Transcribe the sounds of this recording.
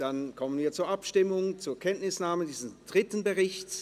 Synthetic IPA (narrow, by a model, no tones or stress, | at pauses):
d̥ankʰɔmənviːɐt͡suːɐʔapʃtɪmʊŋt͡suːɐkʰɛntnɪsnaːmədiːzəsd̥ʁɪtənbəʁɪçt